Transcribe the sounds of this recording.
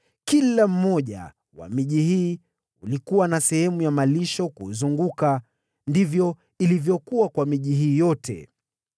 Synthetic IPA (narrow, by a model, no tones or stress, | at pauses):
kilam̩mɔʄa̰ | wa̰miʄihiː | ulikuwanasɛhɛmujamaliʃɔkṵzuŋɡuka | ndivjɔ | ilivjɔkuwakwamiʄiɦiːjɔtʰɛ̰